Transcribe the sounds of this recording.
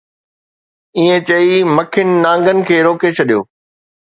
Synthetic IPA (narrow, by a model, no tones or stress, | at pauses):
iẽt͡ɕɐimɐkʰɪnɪ̆nãːŋ̆ɡənɪ̆kʰeːɾoːket͡ɕʰɐɗijo̰ː